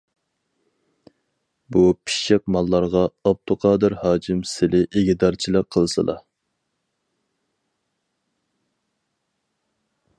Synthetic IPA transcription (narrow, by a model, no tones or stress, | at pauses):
bupʰi̥ʃeq̚mɑlˠːɑɾʁɑɑb̚t̪ʰʊqʰɑːd̪ɨɾhɑːkʰɪmsɪlɪʔeɡʲid̪ɑɾt͡ʃʰilˠəqʰːəlˠsɨ̰lˠʔɑ̰